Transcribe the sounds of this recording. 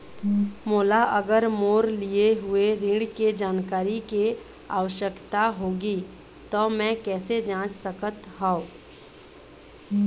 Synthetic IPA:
moːlaʔɐɡəɾmoːɾlieɦʊeɾɪ̃ɽked͡ʒaːnkaːɾike | a̰ːʋəʃjəkt̪aɦoːɡi | t̪omɛ̃kɛːsed͡ʒãːt͡ʃsəkət̪ɦão

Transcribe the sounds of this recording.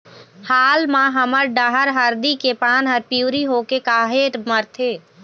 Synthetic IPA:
haːlmãɦəməɾɖəɦəɾɦəɾd̪ikepaːnɦəɾpiːɾiɦoːkekaːɦeːʈməɾt̪ʰeː

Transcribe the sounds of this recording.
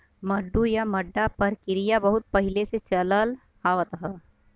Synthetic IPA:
mɐɖːujamɐɖːapɐɾkɪɾijabɐɦʊt̪̚pɐɦɪleset͡ʃɐləl | haːʋət̪ɦə

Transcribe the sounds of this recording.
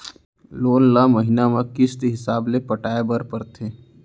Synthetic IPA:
loːnlaməɦɪnamakɪst̪iɦɪsaːblepəʈaːebəɾpəɾt̪ʰeː

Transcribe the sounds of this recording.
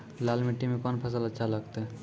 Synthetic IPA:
lalmeʈimekɔnpʰəs̬ələtːʃʰaləɡt̪e

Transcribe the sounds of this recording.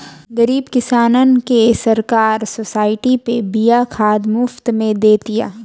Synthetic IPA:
ɡɐɾiːbkɪsaːnənkesɐɾkaːɾsoːsaːɪʈipebijakʰaːd̪mʊft̪mẽd̪eːt̪ija̰ː

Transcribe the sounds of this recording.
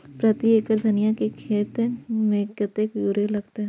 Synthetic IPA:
pɾɐt̪ieːkəɾd̪ʱɐnɪjakekʰeːt̪mekɐt̪ekjuːɾelɐɡt̪eɦɛ

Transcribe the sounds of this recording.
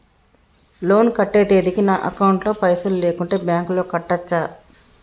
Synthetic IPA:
lo̞ːnkɐʈːeːd̪e̞ːd̪ikinaːʔɐkɐwɳʈlo̞ːpɐjsɐlle̞ːkuɳʈe̞ːbjaːŋklo̞ːkɐʈːɐt͡ʃːaː

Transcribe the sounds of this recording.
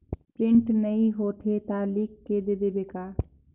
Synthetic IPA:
pɾɪ̃ɳʈnəĩɦoːt̪ʰet̪aːlikːed̪ed̪ebekaː

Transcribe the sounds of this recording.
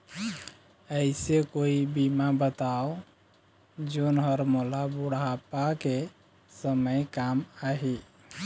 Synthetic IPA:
əɪsekoibimabət̪ao | d͡ʒonɦəɾmolabuɽapake | səməjkamaɦi

